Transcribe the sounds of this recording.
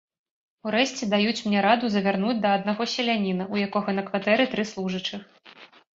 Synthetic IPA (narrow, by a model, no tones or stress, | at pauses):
uɾɛɕʲt͡sʲɛd̪ajut͡sʲmnʲɛɾad̪uzɐvʲarn̪ud͡zʲd̪ɐːd̪̚naɣɔsʲɛlʲanʲinɐujakɔɣɐnɐkvat̪ɛɾɨt̪ɾɨslˠuʐɨt͡ʂɨx